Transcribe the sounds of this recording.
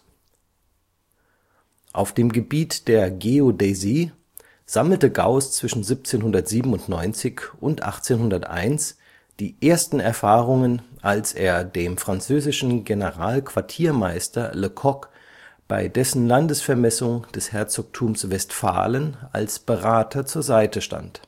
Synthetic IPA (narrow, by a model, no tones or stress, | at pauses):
ʔaʊfd̥eːmɡəbiːtd̥eːɐɡeodeziː | z̥aml̩təɡa̰ʊst͡sv̥ɪʃn̩zip̚t͡seːnhʊndɐtz̥iːbm̩ʊntnɔʏnt͡sɪçʔʊntʔa̰χt͡seːnhʊndɐtʔa̰ɪns | d̥iːʔeːɐstn̩ɛɐfaːʁʊŋənʔalseːɐdeːmfʁ̥ant͡søːzɪʃn̩ɡenəʁaːlkv̥aɐtʰiːɐmaɪstʰɐ̰ləkʰɔk | b̥a̰ɪdɛsn̩landəsfɛɐmɛsʊŋd̥ɛshɛɐt͡sɔk̚tʰuːmsvɛstfa̰ːləna̰lsb̥əʁaːtʰɐt͡suːɐzaɪtəʃta̰nt